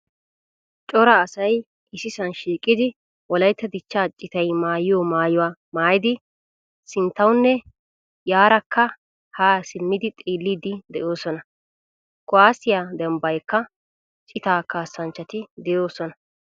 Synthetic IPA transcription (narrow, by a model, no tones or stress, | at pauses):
t͡ʃʼɔɾɐːsɐj | ʔɪsɪsɐnʃiːkʼːɪd̪ɪ | wɔlɐjt̪ːɐd̪ɪt͡ʃːaːt͡ʃʼːɪt̪ɐjmaːjɪjɔmaːjʊwaːmaːjɪd̪ɪ | sɪnt̪ːɐwʊnːɛ | jaːɾɐkːɐ | haːsɪnːɪd̪ɪt̪ʼiːlːiːd̪ɪd̪ɛʔo̞ːsɔnɐ | kʊwaːsɪjaːd̪ɛmbɐjkːɐ | t͡ʃʼɪt̪aːkaːsːɐnt͡ʃːɐt̪ɪd̪ɛjo̞ːsɔnɐ